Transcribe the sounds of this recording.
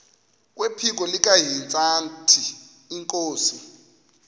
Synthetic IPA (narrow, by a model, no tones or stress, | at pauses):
k̬ʼwepʰik̬ʼɔlikʼaɦint͡sʼantʰiː | ŋkʼoːsi